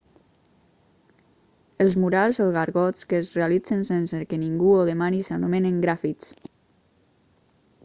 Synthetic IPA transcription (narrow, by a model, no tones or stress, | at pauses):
əlˠzmuɾalˠzoɣaɾɣɔt͡skəːzrealid͡zənsensəkəniŋɡuoðemanisanumeneŋɡɾafiks